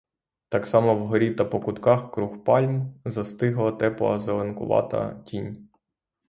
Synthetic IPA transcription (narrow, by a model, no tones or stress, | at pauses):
t̪ɑksɑmɔwɦɔɾʲit̪ɐpɔkʊt̪kɑxkɾuxpɑlʲmzɐst̪ɪɦlˠɐt̪ɛplˠɔ̰zɐlˠenkʊ̰ʋɑ̰t̪ɐ̰tʲinʲ